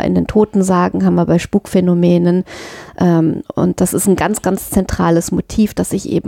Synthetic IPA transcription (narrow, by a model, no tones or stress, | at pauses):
ʔɪ̰ndeːntʰoːtn̩zaːɡŋ̩ɦaːbm̩viɐbaɪʃpuːkfɛnomɛːnənʔɛːmʊ̰nt̚d̥asɪstn̩ɡant͡sɡ̥ant͡st͡sɛntʁ̥aːləsmotʰiːfd̥asɪçʔḛːbm̩